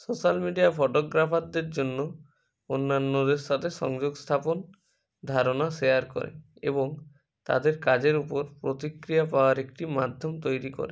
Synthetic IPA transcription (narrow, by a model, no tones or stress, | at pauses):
sosalmiɖijapʰɔʈoɡɾapʰad̪eɾd͡ʑonːo | onːanːod̪eɾʃat̪ʰeʃɔ̰ŋd͡ʒoɡst̪ʰapon | d̪ʱaɾonaʃejaɾkɔ̰ɾḛḛbɔŋ | t̪a̰d̪eɾkad͡ʑeɾupɔɾpɾot̪ikɾijapaoaɾekʈimad̪ʱjɔmt̪ojɾikɔ̰ɾe